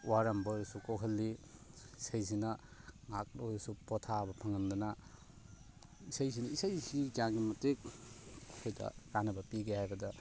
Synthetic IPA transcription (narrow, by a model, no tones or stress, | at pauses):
waɾɐmbɐɾusukokʰɐlːi | isajsinɐ | ŋak̚lojsupɔtʰabɐpʰɐŋɐndɐnɐ | isajzinɐisajsid͡ʒaŋɡimɐtek̚ | kʰojdɐ̰ɾanɐbɐpiɡehajbɐdɐ